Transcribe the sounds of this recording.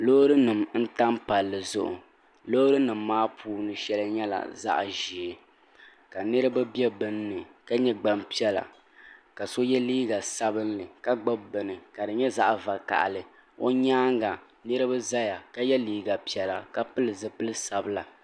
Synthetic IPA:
loː˦ɾɨ˦nɨ˨mn̩˦ta˦m˦pa˨lːɨ˨zʊ̰˨ʔʊ̰˨ | loː˦ɾɨ˦nɨ˨mː˦aː˦pʰuː˦nɨ˨ʃɛ˦lɨ˦ɲɛ˦la̰˨za̰˦ʔʒi˨e˨ | ka˨nɨ˦ɾɨ˦ba˦bjɛ˦bɨ˦n˦nɨ˨ka˦ɲɛ˦ɡ͡ba˨mpi˦ɛ˦la̰˨ | ka˨so˦jɛ˦liː˦ɡa˨sa˦bɨ˦nlɨ˨ka˦ɡ͡ba˦bbɨ˨nɨ˨ka˨dɨ˨ɲɛ˦za˦ʔva˨ka̰˨ʔlɨ˨ | o̰˦ɲaː˦ŋɡa˨ | nɨ˦ɾɨ˦ba˦za˦ja˨ka˦jɛ˦liː˦ɡa˨pi˨ɛ˨la˨ka˦pɨ˦lɨ˨zɨ˨pɨ˦lɨ˦sa˨bɨ˦la˨

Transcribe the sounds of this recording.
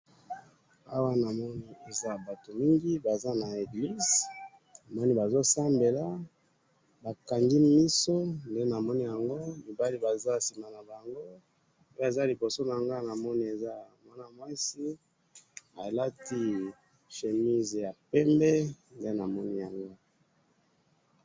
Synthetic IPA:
a˦wa˦na˨mɔ˦ni˦e˨za˦ba˨to˨mi˦ŋɡi˦ba˨za˦na˨e˨ɡli˦z | na˨mɔ˦ni˦ba˨zo˦sa˦mbe˨la˦ | ba˨ka˨ŋɡi˦mi˦so˦nde˦na˨mɔ˦ni˦ja˨ŋɡo˦mi˨ba˦li˦ba˨za˦si˨ma˨na˨ba˨ŋɡo˦ | e˦a˨za˦li˨bo˨so˦na˨a˨ŋɡa˦na˨mɔ˦ni˦e˨za˦mwa˦na˦mwa˦si˦ | a̰˨la˦ti˦ | ʃe˨mi˦zja˨pɛ˦mbe˦nde˦na˨mɔ˦ni˦ja˨ŋɡo˦

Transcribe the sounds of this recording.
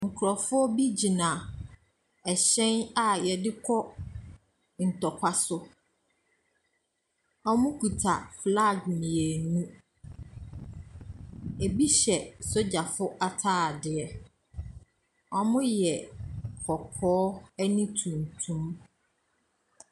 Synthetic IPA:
ŋ̩˨kʰʊ˨ɾɔ˨fʊ˦ɔ˦bi˦d͡ʑi˨nã˨ | ɛ˨ɕɛ̃˦na˨jɛ˨dɪ˦kʰɔ˦ | n̩˨tɔ˨kʷʰa˦sʊ˦ | ɔ˦mʊ̃˦kʰu˨tʰa̰˨fla˦˨ɡmĩ˨e˨nũ˦ | e˨bi˦ɕɛ˨so˦d͡ʑa˨fʊ˦ʔa˦tʰaː˦˨dɪ˨ɛ˨ | ɔ˦mʊ̃˦jɛ˨kʰɔ˨kʰɔː˦ɛ˦nĩ˦tʰũ˨n˨tʰũ˦m

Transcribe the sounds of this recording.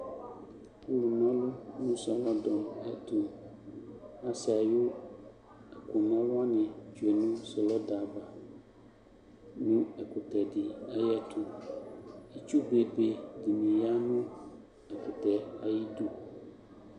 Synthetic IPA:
u˦lu˨nɔ̃˦lʊ˦nʊ̃˦sɔ˨lɔ˦dɔ˨mɛ˦tʰʊ̃˨m | a˦sa˨jʊ˦ | a˨kʰʊ˨nã˦wa˦nɪ̃˨d͡ʒu˨ɛ˨nʊ̃˦sɔ˨lɔ˦da˨ba˨ | nʊ̃˦ɛ˨kʊ˨t̪ɛ˨dɪ˨a˦jɛ˦t̪ʰʊ̃˨ | i˦t͡ʃu˦be˨be˨di˨mĩ˨ja˦nʊ̃˦ | ɛ˨kʊ˨tɛ˨a˨ji˦du˦

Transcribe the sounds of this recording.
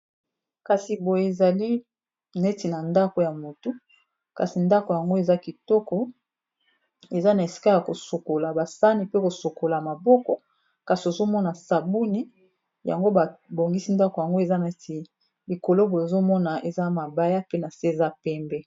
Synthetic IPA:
ka˨si˨bo˨je˨e˨za˨li˦ | na˨e˦ti˨na˨nda˦ko˨ja˨mo˨tu˦ | ka̰˨si˨nda˦ko˨ja˨ŋɡo˦e˨za˦ki˨tɔ˦kɔ˨ | e˨za˦na˨e˨si̥˦ka˦ja˨ko˨so˨ko˨la˨ba˨sa˦ni˨pe˦ko˨so˨ko˨la˨ma˨bɔ˦kɔ˦ | ka˨si˨o˨zo˦mɔ˦na˨sa˨bu˦ni˦ | ja̰˨ŋɡo˦ba˨bo˨ŋɡi˦si˦nda˦ko˨ja˨ŋɡo˦e˨za˦na˨e˦ti˨ | li˨ko˨lo˦bo˨e˨zo˦mɔ˦na˨e˨za˦ma˨ba˦ja˦pe˦na˨se˦e˨za˦pɛ˦mbɛ˦

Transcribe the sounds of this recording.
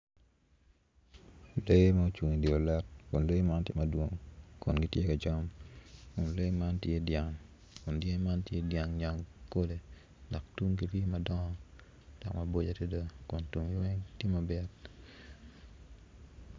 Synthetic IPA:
le˦ma˦o˦t͡ʃu˨ŋi˨di˨o˨lɛ˦t̚kʊ˨nle˦ma˦ntjḛ˦mɐ˨dwo˦ŋkʊ˨nɡi˦tje˦ka˨d͡ʒɔ˦mkʊ˨nle˦ma˦ntje˦dja˨ŋ | kʊ˨ndje˦ma˦ntje˦dja˨ŋɲa˨ŋko˦de˨ | dɔ˨k̚tu˦ŋki˦tje˦mɐ˨dɔ˦ŋɔ˨ | d̥ɔ˨kmɐ˨bo˦d͡ʒa˨tje˦do˦kʊ˨ntu˨ŋ˦we˦ŋtje˦ma˨bɛ˦t

